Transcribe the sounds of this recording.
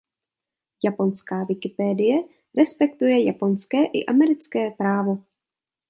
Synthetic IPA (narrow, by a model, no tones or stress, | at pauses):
japo̞nskaːvɪkɪpɛːdɪjɛ | ɾɛspɛkt̪ujɛjapo̞nskɛːʔɪ̰ʔamɛɾɪt͡skɛːpɾaːvo̞